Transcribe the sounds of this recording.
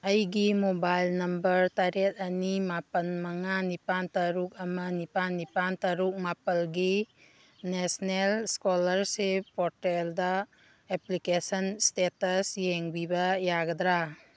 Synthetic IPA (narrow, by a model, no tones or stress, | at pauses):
ɐjɡimobajlnɐmbɐɾtaɾet̚ɐnimapɐnmɐŋanipantɐɾuk̚ɐmɐnipanːipantaɾuk̚mapɐlɡi | nesnelskolɐɾsepɔɾteldɐ | eplikesɐnstetɐsjeŋbibɐjaɡɐd̪ɾa